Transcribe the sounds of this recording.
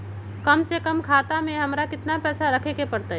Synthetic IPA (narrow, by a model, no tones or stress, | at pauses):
kəmsekəmkʰaːt̪amẽɦɐmɾakɪt̪napɛːsaɾəkʰekepəɾt̪a